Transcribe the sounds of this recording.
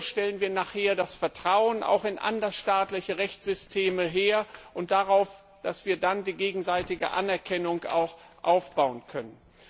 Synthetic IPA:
ʃtɛlənviːɐnaːχheːɐdasfɛɐtʁ̥aʊənʔa̰ʊxɪnʔa̰ndɐsʃtaːtlɪçəʁɛçt͡sz̥ʏstʰeːməɦeːɐʔʊnt̚d̥aʁaʊf | d̥asv̥iːɐdandiːɡeːɡŋ̩zaɪtɪɡə̰ʔa̰nɛɐkʰɛnʊŋa̰ʊx | ʔaʊfb̥aʊənkʰœnən

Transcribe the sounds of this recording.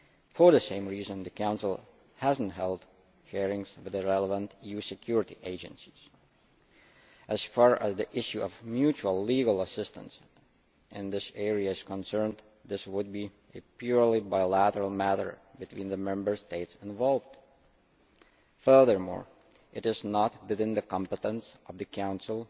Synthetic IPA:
fə˞ðɨsẽɪ̃mɹizə̃nðɨkʰãʊ̃nsl̩ˠ | hæzn̩tɦɛlˠd | ʃɛɹɪ̃ŋz̥wɨðɨɹɛlˠəvə̃ntijʉsɨkʰj̥ʊɹɨɾiʔeɪd͡ʒɨ̰̃nsi̥z̥ | ʔɨz̥fɑɹæzðiʔɪʃuʌvmjut͡ʃuəl̩ˠliɡəl̩ˠəsɪstə̰̃ns | ʔɪ̃nðɪsɛɹiɨɪz̥kə̃nsɜ̃˞n | ðɪswʊd̚bi | ʔɨpʰjʊɹlibaɪlæɾə˞l̩ˠmæɾə̰˞bɨtʰw̥ĩnðəmɛ̃mbə˞steɪtsɪ̃ɱvɑlˠvd̥ | fɜ˞ðə˞mɔ̰ɹ | ʔɨɾɨznət̚bɨðɪ̃nðɨkɑ̃mpɨtə̃nsʔʌvðɨkʰãʊ̃nsl̩ˠ

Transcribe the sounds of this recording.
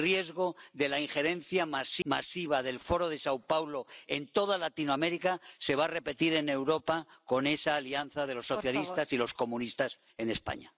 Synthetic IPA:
rje̞zɣo̞ðe̞laiŋxe̞ɾe̞n̟θjamasimasiβ̞aðe̞lfo̞ɾo̞ðe̞sawpawlo̞e̞nt̪o̞ðalat̪inowameɾikase̞β̞are̞pe̞t̪iɾe̞ne̞wɾo̞pako̞ne̞saːlianθað̞e̞lo̞sːo̞θjalist̪asilo̞sko̞mũnist̪as | e̞ne̞spa̰ɲa̰

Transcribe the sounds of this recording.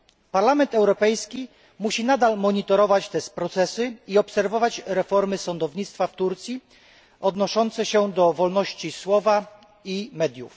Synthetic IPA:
paɾlamɛnt̪ɛwɾɔpɛjskʲi | muɕinad̪almɔɲit̪ɔɾɔvat͡ɕt̪ɛspɾɔt̪sɛsɘiɔpsɛɾvɔvat͡ɕɾɛfɔɾmɘsɔnd̪ɔvɲit̪st̪faft̪uɾt̪sʲji | ɔd̪nɔʂɔnt̪sɛɕɛd̪ɔvɔlnɔɕt͡ɕiswɔva | imɛd̪ʲjuf

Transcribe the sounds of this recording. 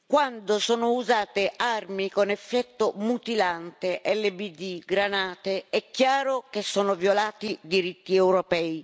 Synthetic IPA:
kwand̪osɔːnʊuzaːt̪earmikonɛfːɛt̪ːʊmut̪ilant̪eʔɛlːebid̪iɡɾanaːt̪eɛkːjaːɾʊkesːɔːnʊvjolaːt̪id̪iɾit̪ːiɛwɾɔpɛi

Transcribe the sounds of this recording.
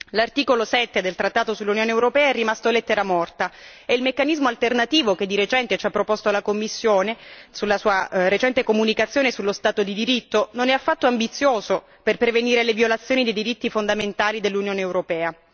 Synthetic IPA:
lart̪iːkolosɛt̪ːed̪elt̪ɾat̪ːaːt̪osulːunjoːneːwɾopɛːaɛrːimast̪olːet̪ːeɾamɔrt̪aeilmekːanizmoalt̪ernat̪iːvoked̪ːiɾet͡ʃɛnt̪et͡ʃapːɾopost̪oalakomːisːjoːnesulːasuːaɾet͡ʃɛnt̪ekomunikat̪sːjoːnesulːost̪aːt̪od̪id̪iɾit̪ːononɛafːat̪ːoambit̪sːjoːzo | perpɾeveniːɾelevjolat̪sːjoːnid̪ejd̪iɾit̪ːifond̪ament̪aːlid̪elːunjoːneːwɾopɛːa

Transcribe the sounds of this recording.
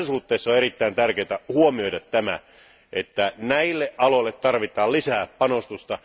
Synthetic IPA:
æsuht̪ːeˑisːɑoerit̪ːæint̪ærkeːt̪æhuomiodɑt̪tæmæ̰ | ʔet̪ːænæilːeʔʔɑloilːet̪t̪ɑrʋit̪ˑɑːllisæːppɑnost̪ust̪ɑ

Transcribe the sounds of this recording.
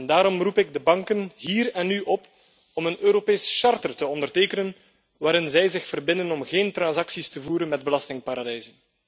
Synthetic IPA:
ɛndaːɾɔmrupɪɡ̚dəbɑŋkənɦiːrɛnːyʔɔp | ɔmənøːɾopeːsʃɑrtərtəɔndərteːkənən | ʋaːɾɪnzɛjzɪxfərbɪndənɔmɣeːntrɑnzɑksistəvuːɾənmɛd̚bəlɑstɪŋpaːɾɑdɛjzən

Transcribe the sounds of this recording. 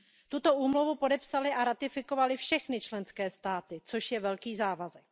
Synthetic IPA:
t̪ut̪o̞ʔuːmluvupo̞dɛpsalɪʔaɾat̪ɪfɪko̞valɪfʃɛxnɪt͡ʃlɛnskɛːst̪aːt̪ɪt͡soʃjɛvɛlkiːzaːvazɛk̚

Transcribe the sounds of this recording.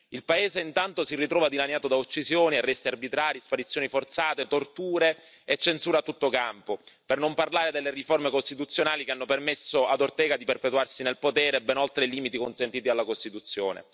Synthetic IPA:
ilpaeːzeint̪ant̪osirːit̪ɾɔːvad̪ilanjaːt̪od̪aot͡ʃːisjoːniɛrːɛst̪earbit̪ɾaːɾijispaɾit̪sːjoːnifort̪saːt̪et̪ort̪uːɾe | et͡ʃːensuːɾat̪ːut̪ːokampopernomparlaːɾed̪elːeriformekost̪it̪ut̪sːjonaːlikeanːopermesːoad̪ort̪ɛːɡad̪iperpet̪uarsinelpot̪ɛːɾebɛnɔlt̪ɾeliːmit̪ikonsent̪iːt̪ialːakost̪it̪ut̪sːjo̰ːnḛ

